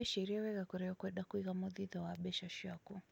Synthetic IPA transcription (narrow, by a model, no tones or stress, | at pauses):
ɛʃiɾiɔwɛɣakuɾɛɔkɛɗakwiɣamɔðiðawaɓɛʃaʃaku